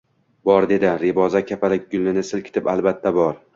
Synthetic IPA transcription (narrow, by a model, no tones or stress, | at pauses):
bɒɾd̪e̞d̪ɪɾebɒzakʲʰapʰalɪk̚ʲɡʊlːɪnɪsɪlkʲɪ̥t̪ʰɪpalˠbat̪ʰːabɒɾ